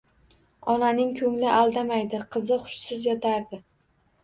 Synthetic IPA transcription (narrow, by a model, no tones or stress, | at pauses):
ɒnanɪŋkʲʰɵŋlɪʔalˠd̪amajd̪ɪqʰɨzɪχʊ̥ʃsɪzjɒt̪ʰaɾd̪ɪ